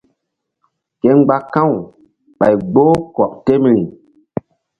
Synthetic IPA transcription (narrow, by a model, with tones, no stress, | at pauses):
ke˨˦ŋɡ͡ba˦kã˦˨w | ɓa̰˨jɡ͡bo˦kɔ˨ʔte˦m˨ɾi˨